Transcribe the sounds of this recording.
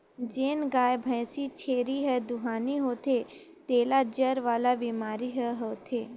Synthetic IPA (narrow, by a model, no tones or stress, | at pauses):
d͡ʒeːnɡaːjbʱə̃jsit͡ʃʰeːɾiɦɛd̪ʊɦaːniɦoːt̪ʰe | t̪eːlad͡ʒəɾʋaːlabiːmaːɾiɦəɦoːt̪ʰeː